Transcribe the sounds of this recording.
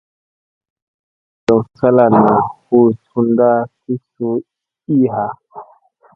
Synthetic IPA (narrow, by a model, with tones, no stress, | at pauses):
da˨wsa˦la˨nːa˨hu˦su˦nda˦ti˦so˦ | i˦ɦa˨